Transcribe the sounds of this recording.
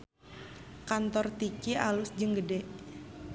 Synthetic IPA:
kant̪ɔrt̪ikialʊsd͡ʒəŋɡədɛʔ

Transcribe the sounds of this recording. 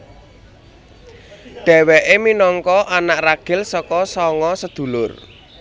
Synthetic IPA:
ɖ̪̥ɛ̤wɛʔeminɔŋkɔʔanaʔraɡ̥ɪ̤lsɔkɔsɔŋɔsəd̪̥ṳlʊr

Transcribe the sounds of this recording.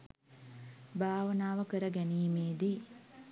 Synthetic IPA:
bʱaːʋɐnaːʋɐkəɾɐɡɛniːmeːd̪i

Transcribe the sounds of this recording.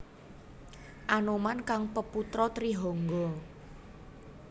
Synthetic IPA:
ʔanomankaŋpəput̪ɾɔt̪ɾiɦɔŋɡɔ

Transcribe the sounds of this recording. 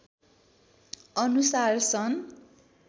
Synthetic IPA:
ʌnusarsʌn

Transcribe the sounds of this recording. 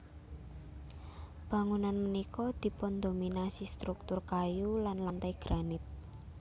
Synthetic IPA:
b̥ä̤ŋunanmənikɔd̪̥i̤pʊnd̪ominasist̪ɾuk̚t̪ʊrkajulanlant̪ajɡ̥ɾanɪt̪̚

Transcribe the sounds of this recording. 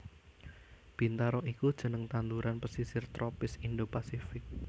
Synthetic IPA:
b̥i̤nt̪aɾɔʔikud̥ʒ̥ə̤nəŋt̪and̪uɾanpəsisɪrt̪ɾʔɔpɪsinɖopasifɪk̚

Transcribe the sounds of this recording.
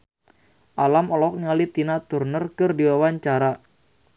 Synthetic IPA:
ʔalamɔlɔk̚niŋalit̪inat̪urnərkərdiwawaɲt͡ʃaɾa

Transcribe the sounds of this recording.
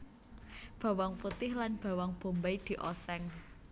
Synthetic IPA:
b̥a̤waŋput̪ɪhlanb̥a̤waŋb̥o̤mbaid̪̥i̤ʔɔsɛŋ

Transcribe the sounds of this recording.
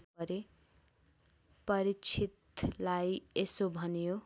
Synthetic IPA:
ʌɾe | pʌɾit͡sʰit̪lajesobʱʌnjo

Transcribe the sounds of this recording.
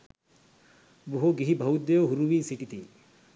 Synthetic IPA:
buɦoɡiɦibʱɐud̪joɦuɾuʋiːsiʈit̪i

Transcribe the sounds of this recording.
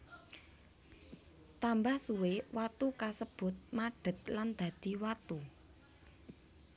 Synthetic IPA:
t̪ambahsuwewat̪ukasəb̥ʊ̤t̪̚maɖ̥ə̤t̪̚land̪̥ä̤d̪̥i̤wat̪u

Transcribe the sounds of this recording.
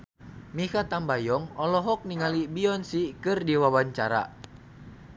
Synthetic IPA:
mikat̪ambajɔŋɔlɔɦɔk̚niŋalibiɔnsikɨrdiwawaɲt͡ʃaɾa̰

